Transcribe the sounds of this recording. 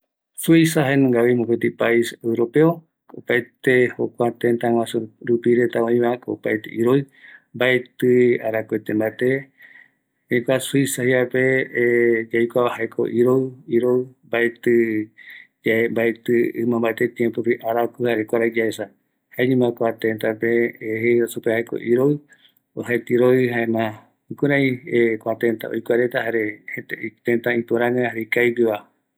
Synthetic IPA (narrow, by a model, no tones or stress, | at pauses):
suisaɦanũŋɡaβimõpet̪ipaisewɾopeo | opaet̪ehokʷat̪ent̪ãw̃ãsuɾupiɾet̪aõĩβãkopaet̪ḛʔiɾoɨ | mbaet̪ɨaɾakwet̪ẽmbaet̪e | ekʷasuisahiape | d͡ʒajkʷaβahaekʰo̰ʔiɾowiɾoɨmbaet̪ɨ | d͡ʒambaet̪ɨɨmãmbaet̪et̪jẽmpopiʔaɾakuhaɾekʷaɾaid͡ʒaesa | haeɲĩmãkʷat̪ẽnt̪apeːhesupehaeko̰ʔiɾoɨ | oɦaet̪iɾoɨɦaẽnã | ukuɾãj̃ekʷat̪ent̪a̰ojkʷaɾet̪ahaɾehet̪eit̪ent̪aĩt̪uɾãŋãhaɾekajpiβa